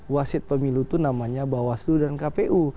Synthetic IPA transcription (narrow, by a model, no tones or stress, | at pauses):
wasɪt̪̚pəmilut̪unamaɲabawasdudankapeʔu